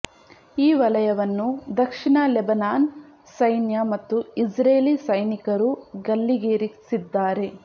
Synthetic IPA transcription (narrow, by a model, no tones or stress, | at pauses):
iːʋɐlɐjɐʋɐnːud̪ɐkʂiɳɐlɛbɐnaːn | sɐjnjɐmɐt̪ːuid͡ʒɾeːlisɐjnikɐɾuɡɐlːiɡeɾisid̪ːaːɾe̞